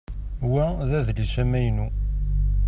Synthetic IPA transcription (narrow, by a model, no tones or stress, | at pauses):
wæðæðlisæmæjnu